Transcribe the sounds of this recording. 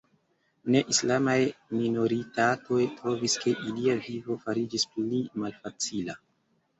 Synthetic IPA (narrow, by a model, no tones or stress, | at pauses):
ne̞ʔislamajminoɾitatʰo̞jtɾo̞viske̞ʔiliavivo̞faɾid͡ʒisplimalfat͡sila